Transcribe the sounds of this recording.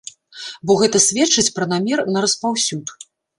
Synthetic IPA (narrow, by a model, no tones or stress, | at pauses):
bɔɣɛt̪ɐsʲvʲɛt͡ʂɨt͡sʲpɾɐnamʲɛrnɐɾɐspawsʲut̪